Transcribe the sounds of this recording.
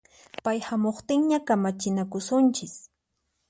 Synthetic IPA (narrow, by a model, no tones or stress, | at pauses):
pajhamoχt̪ɪŋɲakamat͡ʃɪnakʊsʊnt͡ʃɪs